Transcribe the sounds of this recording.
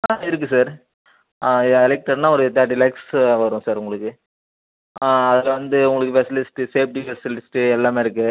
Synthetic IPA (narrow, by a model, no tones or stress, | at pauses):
aɪɾɯk̬ːɯsaːɾ | ɛlɛk̚ʈːɐɽnãːɔɾɯt̪̬aːʈɪlɛːksʋɐɾʊ̃ːsaːɾʊŋɡɐɭɯkːɯ | ɐðɪlɐʋɐnd̪ɯʊŋɡɐɭɯkːɯfɛsɪlɪsɪ̥ʈiseːp̚ʈifɛsɪlɪsɪ̥ʈɛlːaːmeːɪɾɯk̬ːɯ